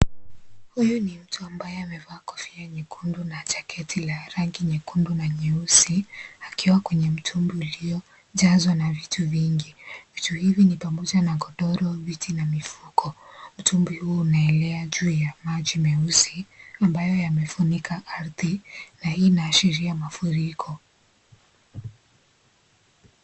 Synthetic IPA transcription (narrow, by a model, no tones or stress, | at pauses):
hujunim̩tʰuambajɛamɛvaːkɔ̥fiaɲɛkundunat͡ʃḁkʰɛtʰilaɾaŋɡiɲɛkundunaɲɛusiakiwakwɛɲɛm̩tʰumbiulijɔ | ʄazwanavitʰuviŋɡivituhivinipamɔʄanaɡɔɗɔɾɔvitʰinamifukʰɔm̩tʰumbihuːnaɛlɛaʄuːjamaʄimɛusiambajɔjamɛfunikʰaʔaɾðinainaːʃiɾiamafuɾikʰɔ